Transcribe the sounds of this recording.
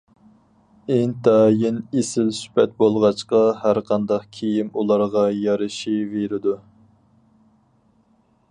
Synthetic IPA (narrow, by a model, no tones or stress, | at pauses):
ent̪ʰɑːjinesɪlsy̥pʰɛt̪̚bolˠʁɑt͡ʃqɑhæɾqʰɑnd̪ɑqkʲʰejimulˠɑɾʁɑjɑɾɨʃiveɾɪd̪u